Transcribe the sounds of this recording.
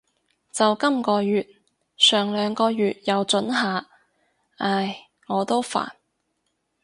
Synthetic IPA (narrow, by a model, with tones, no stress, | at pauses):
t͡sɐ˨wkɐ˥mkɔː˧jyː˨t̚ | sœː˨˩ŋlœː˨˧ŋkɔː˧ɥyː˨t̚jɐ˨˧wt͡ʃɵ˨˥nɦaː˨ | aː˧˩j | ŋɔː˨˧t̪o˥wfa̰ː˨˩n